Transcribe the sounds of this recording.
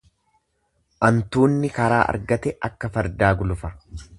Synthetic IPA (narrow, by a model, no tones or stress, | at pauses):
ʔɐnt̪uːnːɪkɐɾaːʔɐ̰ɾɡɐt̪ɛʔɐkːɐfɐɾd̪aːɡʊlʊfɐ